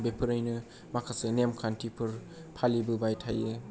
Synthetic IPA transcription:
bepʰɯɾɯjnɯ | makʰasɯnemkʰantʰipʰɯɾ | pʰalibɯbajtʰajɯ

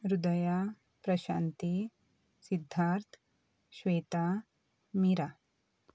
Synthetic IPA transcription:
ɾud̪ɐja | pɾɐɕa̰ːnt̪i | sid̪ʱːaɾt̪ʰ | ʃʋeːt̪a | miɾa

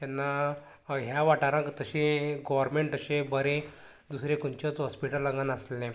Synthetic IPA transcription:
t̪anːa | ɦjaʋaʈaɾãkt̪əɕẽɡɔʋəɾmeɳʈəɕẽbəɾẽ | d̪usɾekunt͡ɕət͡sɦɔspiʈəlːə̃ŋɡanəslẽ

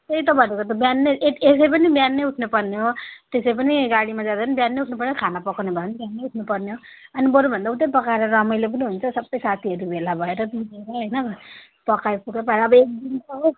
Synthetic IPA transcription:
t̪eit̪ʌbʱʌnekʌt̪objanːeeesejp̬ʌnibjanːeuʈʰnupʌrneɦot̪esejpʌniɡaɽimad͡zad̪apʌnibjanːejuʈʰnupʌrnekʰanapʌkanebʱʌnbjanːeuʈʰnupʌrneɦo | ʌnibʌɾubʱʌnd̪aut̪ejpʌkaeɾʌɾʌmʌjlep̬ʌniɦunt͡sʰʌsʌbʌjsat̪ʰiɦʌɾubʱelabʱʌeɾʌb̪ideɾʌɦʌjnʌ | pʌkajpuʈʌpaeɾʌːbʌek̚d̪intʌɦo

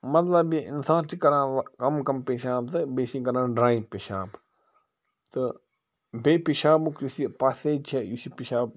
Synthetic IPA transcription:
mɐt̪lɐbiɪnsãːʈikɐɾãːkɐmkɐmpeːʃaːb̚t̪ɐbeːsĩkɐɾãːnɖɾaːipeʃaːb | t̪ɨ | bʱeːpiʃaːbukjusipaseːt͡ʃʰejusipiʃaːb̚

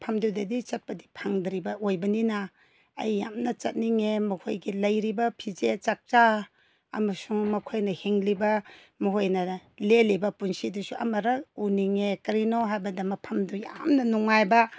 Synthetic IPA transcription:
pʰɐmdudɐdit͡ʃɐt̚pɐdipʰaŋdɾibɐʔojbɐninɐ̰ː | jːamnɐt͡ʃɐt̚niŋemɐhojɡilɐjɾibɐpʰid͡ʒet͡ʃak̚t͡ʃa | ɐ̰mɐsuŋmɐkʰojnɐheŋlibɐ | mɐɦojnɐlelibɐpunsidusuɐ̰mɐɾɐuniŋekɐɾinoɦajbɐdɐmɐpʰɐmduja̰mnɐnuŋːajbɐ

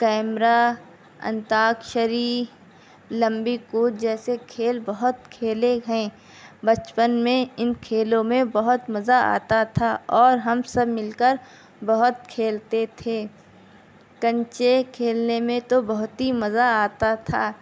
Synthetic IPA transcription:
kɛːmɾa | ɐ̰̃nt̪aːkʃəɾiː | lɐ̃mbikuːʈ̚d͡ʒɛːsekʰeːlbɐɦʊt̪kʰeːleɦɛ̃ː | bɐt͡ʃpənmẽɪnkʰeːlõmẽbɐɦʊt̪mɐzaa̰ːt̪at̪ʰaːɔːɾɦɐmsɐbmɪlkəɾ | bɐɦʊt̪̚kʰeːlt̪et̪ʰeː | kɐ̃ɲt͡ʃekʰeːlnemẽt̪obɐɦʊt̪ɦimɐzaaːt̪at̪ʰaː

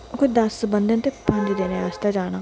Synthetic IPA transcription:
okod̪ɐsbənd̪ə̃nt̪epʰə̃nd̪iːd̪eːneːaːst̪ad͡ʒaːñaː

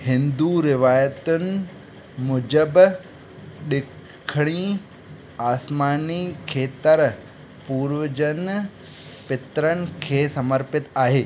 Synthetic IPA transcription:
hɪ̃nd̪uɾɪʋaːjət̪ʊnɪ̆ | mʊd͡ʑəb | ɗɪ | kʰɽ̃iː | aːsmaːnikʰeːt̪əɾ | puːɾʋəd͡ʑən | pɪt̪ɾənɪ̆kʰeːsɐməɾpɪt̪aːɦeː

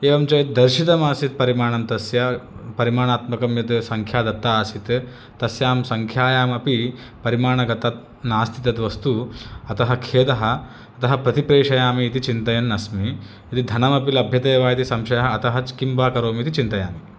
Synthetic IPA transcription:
eːʋɐmt͡ʃɐjɐt̪̚d̪ɐɾʃit̪ɐmaːsit̪̚pɐɾimaːɳɐmt̪ɐsjɐpɐɾimaːɳaːt̪mɐkɐmjɐt̪sɐŋkʰjaːd̪ɐt̪ːaːsit̪ | t̪ɐsjaːmsɐŋkʰjaːjaːmɐpi | pɐɾimaːɳɐɡɐt̪ɐt̪̚ | naːst̪ʰit̪ɐt̪ʋɐst̪uɐt̪ɐɦɐkʰeːt̪ɐɦɐ̆ː | t̪ɐɦɐ̆pɾɐt̪ipɾeːʂɐjaːmiːt̪it͡ʃint̪ɐjɐnːɐsmi | it̪id̪ʱɐnɐmɐpilɐbʱjɐt̪eːʋaːjɐt̪isɐmʃɐjɐɦɐːt̪ɐɦɐt͡ʃkimpaːkɐɾoːmit̪it͡ʃint̪ɐjaːmi

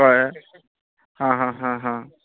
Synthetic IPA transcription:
ɔj | ɦãɦãɦãɦã

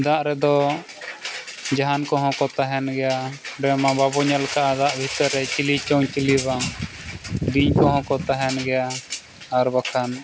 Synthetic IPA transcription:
d̪aʔɾɛd̪ɔ | d͡ʒaɦankɔɦɔ̃kɔt̪aɦɛnɡɛjaɾɛmababɔɲalkaʔad̪aʔbʱit̪əɾːɛt͡ʃilit͡ʃɔwt͡ʃiliba | ɾiɲkɔɦɔ̃kɔt̪aɦɛnɡɛjaː | ɾbakʰan

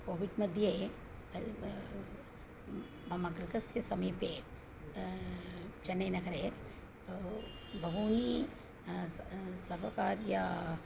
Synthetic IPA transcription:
koːʋiɖmɐd̪ʱje | ɐmɐɡɾkɐsjɐsɐmipe | d͡ʒɐnːɐjnɐkʰɐɾe | o | bʱɐʋoːni | sɐɾʋɐkaːɾja

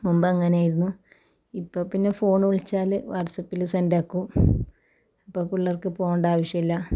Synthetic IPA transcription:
mumbɐɐŋːɐneaːjiɾunːu | ipːo̞ːpinːe̞fo̞ːɳuɭit͡ɕːaːlʋɐrʈsɐpːilsɐndɐkːu | ɐpːoːkuɭːɐrkɨpoːɳɖaːʋɐʂjɐmilːɐ

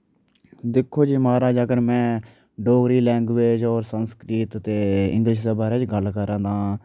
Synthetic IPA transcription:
d̪ɪkʰːoːd͡ʒiːmaːɾaːd͡ʒəɡəɾmɛ̃ː | ɖoːɡɾiːlɛ̃ːŋɡʋeːd͡ʒɔːɾsənskɾiːt̪t̪eːɪ̰̃ŋɡlɪʃ̬d̪eːbaːɾeːd͡ʒɡəlkəɾãːd̪ãː

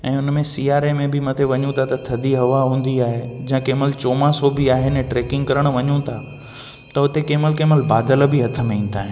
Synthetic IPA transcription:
ɛ̃ːʊnmẽsiːaːɾemẽbɪmɐt̪ʰeʋɐɲũt̪ʰat̪ɐt̪ʰɐd̪iɦɐʋaɦũːn̆d̪iaːɦed͡ʑĩɦãkeːməlt͡ɕoːmãsobɪaːɦenɛ̃ʈɾeːkɪ̃ŋɡkɐɾəɽ̃ʋɐɲũt̪ʰa | t̪ɐɦʊt̪ekeːməlkeːməlbaːd̪əlbɪɦɐt̪ʰəmẽĩːn̆d̪aːɦɪ̃

